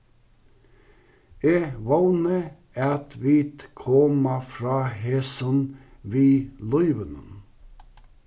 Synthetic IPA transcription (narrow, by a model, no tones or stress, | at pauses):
eːʋɑʊnə | æt̪ʋiːt̪kʰɔmɑfɾɑːheːsənʋiːlɔʏʋənən